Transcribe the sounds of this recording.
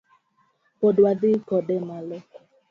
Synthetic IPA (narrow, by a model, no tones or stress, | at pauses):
podwad̪ɪkɔdɛmalɔ